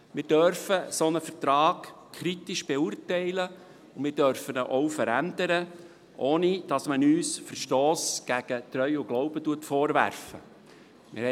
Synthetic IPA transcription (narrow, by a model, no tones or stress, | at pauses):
mɪːɾd̥œɾfəsonəfərt̪ɾɑːkkʰɾitɪʃb̥eurtɛɪlə | ʊnmɪːɾd̥œɾfənəʔɔʊfəɾændəɾə | ʔoːnid̥ɑsmənyːsfərʃtɔoːsɡ̥æɡ̥ətɾœʏʊɡ̥lɔʊb̥ətuətfɔːɾvæ̰ɾfə̰ | mɪ̰ɾhɛ